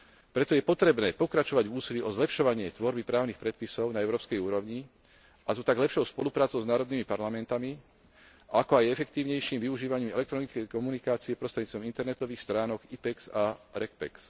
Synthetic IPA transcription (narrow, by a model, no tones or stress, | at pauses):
pɾɛt̪ɔjɛpɔt̪ɾɛbnɛːpɔkɾat͡ʃɔʋaɟvuːsiliʔɔzlɛpʃɔʋaɲɪɛt̪ʋɔɾbipɾaːʊnixpɾɛt̪̚pisɔʊnaɛʊɾɔːpskɛjuːɾɔʊɲi | azɔt̪aɡlɛpʃɔʊspɔlupɾaːt͡sɔʊznaːɾɔd̪nimipaɾlamɛnt̪ami | akɔajɛfɛk̚t̪iːʊɲɛjʃiːmʋiuʒiːʋaɲiːmɛlɛkt̪ɾɔnit͡skɛjkɔmunikaːt͡siɛpɾɔst̪ɾɛɟɲːt͡st̪ʋɔmint̪ɛɾnɛt̪ɔʋiːxst̪ɾaːnɔɡipɛksaɾɛkpɛ̰ks